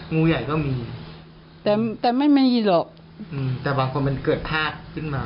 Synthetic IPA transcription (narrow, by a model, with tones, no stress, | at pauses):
ŋuː˧ja˨˩jkɔː˥˩miː˧ | t̪ɛː˨˩t̪ɛː˨˩ma˥˩jma˧˥˩jiː˧˩lɔː˨˩k̚ | ʔɯː˧t̪ɛː˨˩baː˧ŋkʰo˧nma˧nkɤː˨˩t̪̚p̪ʰaː˥˩t̪̚kʰɯ˥˩nmaː˧